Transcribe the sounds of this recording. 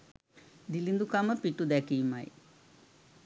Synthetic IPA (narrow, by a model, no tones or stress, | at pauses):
d̪ilind̪ukamɐpiʈːud̪akima̰j̰